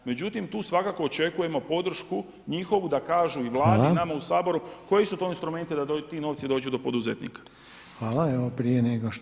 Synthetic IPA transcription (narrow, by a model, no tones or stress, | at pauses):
me̞d͡ʑut̪imt̪uːsʋakaːko̞ot͡ʃe̞kuje̞mo̞po̞d̪r̩ʃku | ɲixo̞ʋud̪akaːʒuiʋlˠaːdinamausaːbo̞ɾuko̞jesut̪o̞inst̪ɾume̞nt̪id̪at̪iːno̞ːʋt̪sid̪o̞ːd͡ʒud̪o̞po̞d̪uzet̪nḭːkḁ | xʋaːlaeʋopɾijeneɡoʃ